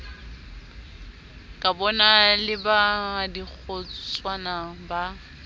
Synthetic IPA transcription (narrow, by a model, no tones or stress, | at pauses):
kʼabɔnalɪbadik͡xʰɔt͡sʼwanaba